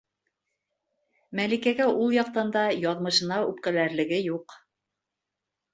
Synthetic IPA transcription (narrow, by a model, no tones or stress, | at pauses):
mælikæɡæʔulˠjɑq̚t̪ɑnd̪ɑjɑðmɤ̆ʃɤ̆nɑʉp̚kælæɾlɘ̆ɡɘjuq